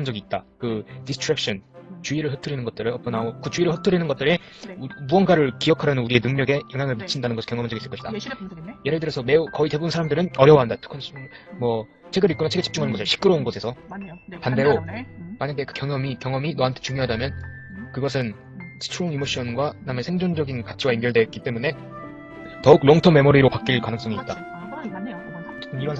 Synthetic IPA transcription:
and͡ʑʌɡiːt̚t͈akɯdistʰɾak̚ɕ͈ʰʌnt͡ɕuiɾɯɭhɯtʰɯɾinɯnɡʌt͈̚ɯɾɯʌk͈ʌnaokɯt͡ɕuiɾɯɭhɯtʰɯɾinɯnɡʌt̚t͈ɯɾe | muʌnɡaɾɯɭkijʌkʰaɾjʌnɯnuɾie̞nɯŋɲʌɡe̞jʌŋjaŋɯɭmit͡ɕʰindanɯnɡʌɯ̥kjʌŋʌmand͡ʑʌis͈ɯɭk͈ʌɕʰid̥aje̞ɾɯɭtɯɾjʌsʰʌme̞ukʌite̞buɯnsʰaɾamdɯɾɯnʌɾjʌwʌɦandatʰɯ̥kʰʌnmwʌ | t͡ɕʰe̞ɡɯɾitk͈onat͡ɕʰeɡet͡ɕip̚t͡ɕuŋɦanɯnɡʌsʰɯɭɕʰi̥k͈ɯɾounɡʌsʰe̞sʰʌpande̞ɾomaɲaɡe̞kɯ̥kjʌŋʌmikjʌŋʌminʌɦantʰe̥t͡ɕuŋjoɦadamjʌnkɯɡʌs̬ʰɯn | sʰɯ̥t͡ɕʰuɾoŋimoɕ͈ʰʌnɡwanamesʰeŋd͡ʑond͡ʑʌɡinkat͡ɕʰiɡaimɡjʌɭdwe̞k͈it͈e̞mune̞ | tʌuk̚loŋtʰʌme̞moɾiɾopak͈̚iɭkanɯŋs͈ʌŋiːt̚t͈a | iɾʌɦan

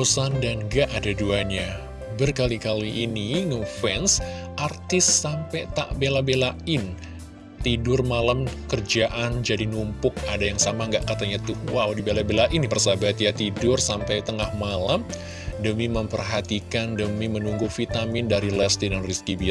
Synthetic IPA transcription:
osandanɡaʔːdaduaɲa | bərkalikaliʔːniŋəfɛns | ʔart̪ɪsːampɛt̪a̰ʔbelabelaɪn | t̪idʊrmalamkərd͡ʒaʔand͡ʒadinumpʊk̚adajaŋsamaŋɡaʔkat̪aɲat̪uwawdibelabelaʔinipərsabat̪jat̪idʊrsampajt̪əŋahmalam | dəmiməmpərɦat̪ikandəmimənuŋɡufit̪amɪndaɾilɛst̪idanriskibi

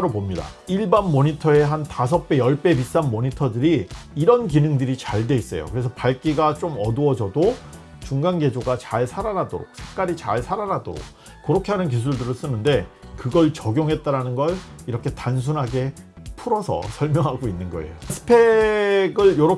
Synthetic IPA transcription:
ɾopomɲida̰iɭbanmoɲitʰʌe̞ɦantasʰʌk̚p͈e̞jʌɭp͈e̞pis͈anmoɲitʰʌdɯɾiːɾʌnkinɯŋdɯɾit͡ɕaɭdwe̞is͈ʌjo̰kɯɾe̞sʰʌpaɭk͈iɡat͡ɕ͈omʌduʌd͡ʑʌdo | t͡ɕuŋɡanɡe̞d͡ʑoɡat͡ɕaɭsʰaɾanadoɾok̚sʰe̥k͈aɾit͡ɕa̰ɭsʰaɾanado̰ɾo̰k̚ | k͈ɯɾʌkʰeɦanɯnk̬is̬ʰuɭdɯɾɯɭs͈ɯnɯnde̞kɯɡʌɭt͡ɕʌɡjoŋɦe̞t̚t͈aɾanɯnɡʌɭiɾʌkʰe̞tans̬ʰunɦaɡe̞pʰuɾʌsʰʌ̰sʰʌɭmjʌŋɦaɡoinːɯnɡʌḛjosʰɯ̥pʰe̞ɡɯɭjʌɾʌ

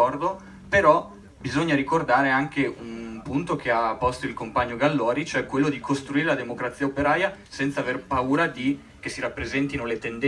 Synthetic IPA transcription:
ɔrd̪o | peɾɔ | bizoɲːaɾikord̪aːɾeaŋkeunpunt̪okʰeapːɔst̪oilkompaɲːoɡalːɔːɾit͡ʃoɛkwelːod̪ikʰost̪ɾuiːɾelad̪emokɾat̪sːiaopeɾaːja | sɛnt̪aːverpauːɾad̪i | k̟esiɾapːɾezɛnt̪inolet̪end̪

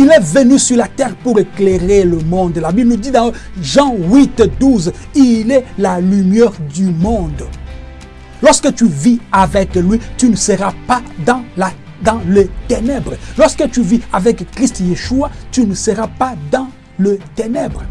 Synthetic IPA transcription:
ilɛvənysyʁlat̪ɛʁpuʁeklɛʁeləmɔ̃d̪labiblənud̪id̪ɑ̃ʒɑ̃wit̪d̪uzilɛlalymjœʁd̪ymɔ̃d̪ | lɔʁskət̪yviavɛklɥit̪ynəsəʁapad̪ɑ̃la | d̪ɑ̃lət̪enɛbʁəlɔʁskət̪yviavɛkkʁist̪jeʃuat̪ynəsəʁapad̪ɑ̃ | lət̪enɛbʁə

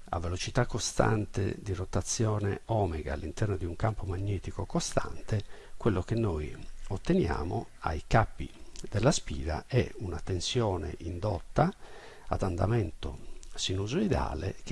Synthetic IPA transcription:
a̰vːelot͡ʃit̪akːost̪a̰nt̪ḛd̪irot̪at̪sːjɔːnɛɔːmɛɡaːlːint̪ɛrnod̪iuŋkampomaɲːɛːt̪ikokost̪a̰nt̪ekwelːokenːojot̪ːenja̰ːmoa̰jkapːḭd̪elːaspḭːɾa̰ʔɛ̰unat̪ensjɔːnḛʔind̪ɔt̪ːa | a̰d̪and̪a̰mɛnt̪osinuzoid̪a̰ːlḛk

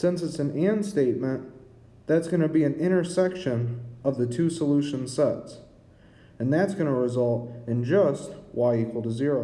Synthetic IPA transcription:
sɪ̃nsɨtsɨ̃næ̃nsteɪt̚mɨ̃n | ðætsɡ̥ʌñɨbiɨ̃nɪ̃ɾ̃ə˞sɛkʃɨ̃nʌvðɨtʰʉsəlʉʃɨ̃nsɛts | ɨ̃nðætsɡ̥ʌñəɹɨzʌlˠtɨ̃nd͡ʒʌst̚waɪikʰwl̩ˠtəzɪɹoʊ

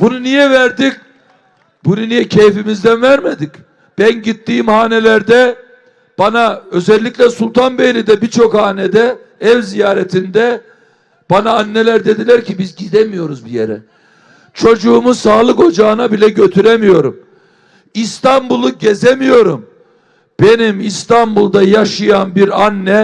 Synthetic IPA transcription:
b̥ununijɛvæɾd̪ic | bununijɛcʰejfimizd̪ænvæɾmed̪ic | b̥ænɟit̪ːiːmhaːnelʲæɾd̪ɛ | b̥anaø̞zɛlʲːiclʲɛsulˠt̪ʰanbejlʲid̪ɛbit͡ʃʰo̞khaːnɛd̪ɛ | ɛvzijaːɾɛt̪ʰind̪ɛ | b̥anaːnːelʲæɾd̪e̞d̪ilʲæɾcʰibizɟid̪emijo̞ɾuzbijḛɾɛ̰ | t͡ʃʰo̞d͡ʒuːmusaːlˠɯko̞d͡ʒaːɯnabilʲɛɟø̞t̪ʰyɾemijo̞ɾum | ist̪ʰanbulˠuɟezemijo̞ɾum | b̥e̞nimist̪ʰanbulˠd̪ajaʃɯjanbiɾanːɛ

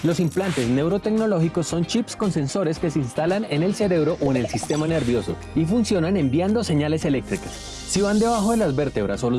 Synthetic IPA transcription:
lo̞simplant̪e̞zne̞wɾo̞t̪e̞kno̞lo̞xikosːo̞nt͡ʃipsko̞nse̞nso̞ɾe̞ske̞seinst̪alane̞ne̞lse̞ɾe̞βɾo̞ʔoene̞lsist̪e̞mane̞ɾβjo̞so̞̰ | ifunsjo̞nane̞mbjand̪ose̞ɲale̞se̞le̞k̚t̪ɾikasː | iβand̪e̞βaxo̞ðelazbe̞ɾt̪e̞βɾasolo

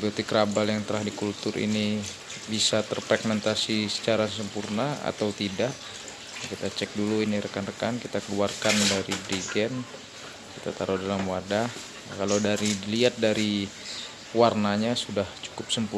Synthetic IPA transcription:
biot̪ikɾabaljaŋt̪əɾahdikult̪ʊɾḭni | bisat̪ərfɾɛɡmɛnt̪asisə̥t͡ʃaɾasəmpurnaa̰t̪awt̪idaʔ | kit̪at͡ʃɛk̚duluiniɾəkanrəkankit̪akəluarkandaɾibɾiɡɛn | kit̪a̰t̪aɾʔadalamwadah | kalawdaɾiliat̪̚daɾi | warnaɲasudaht͡ʃu̥kʊp̚səmpu

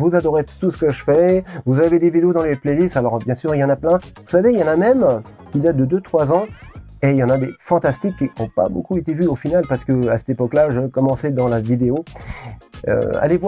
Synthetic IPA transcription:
vuzad̪ɔʁet̪usə̥kəʒəfɛvuzaved̪evid̪eod̪ɑ̃leplelist̪alɔʁbjɛ̃syʁiljɑ̃naplɛ̃vusaveiljɑ̃namɛm | kʲid̪at̪̚d̪əd̪øt̪χwazɑ̃ | eiljɑ̃nad̪efɑ̃t̪ast̪ikʲːiɔ̃pa̰bo̰kuet̪evyofinalpaʁsə̥kəasɛ̥t̪epɔklaʒəkɔmɑ̃sɛd̪ɑ̃lavid̪eo | ø̰a̰levwa

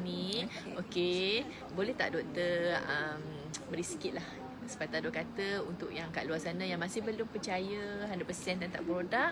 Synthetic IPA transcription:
nĩ | oke | bolɛht̪a̰ʔdot̪əəm | məɾiskɪt̪̚lah | sə̥pat̪adokat̪əunt̪ʊʔjaŋkaʔluazanãjaŋmãsɪhbəlʊmpərt͡ʃajəɦandaʔpəsiɛnd̪ant̪a̰ʔpəɾodaʔ

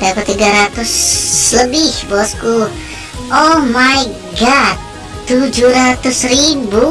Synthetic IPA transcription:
dakut̪iɡaɾat̪ʊsləbihbɔsku | ʔomaj | ɡad̚ | t̪ud͡ʒuɾat̪ʊsɾibu

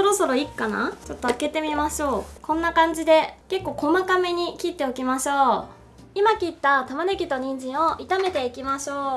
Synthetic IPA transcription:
soɾo̞so̞ɾo̞ikːana̰t͡ɕo̞t̪ːoake̞t̪e̞mʲimaɕo̞ːkõ̞nːakãɲ̟d͡ʑid̪e̞ke̞kːo̞ːko̞makame̞ɲ̟ikʲit̪ːeokʲimaɕo̞ː | imakʲit̪ːat̪amanekʲit̪o̞ɲ̟ĩɲ̟d͡ʑĩɰ̃oʔit̪ame̞t̪e̞ikʲimaɕo̞ː

